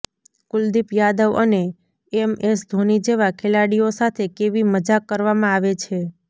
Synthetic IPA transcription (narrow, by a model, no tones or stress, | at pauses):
kʊld̪ipjad̪əʋə̰ne | emesd̪ʱonid͡ʒeʋakʰelaɽiosat̪ʰekeʋiməd͡ʒakːəɾʋamãaʋet͡ʃʰe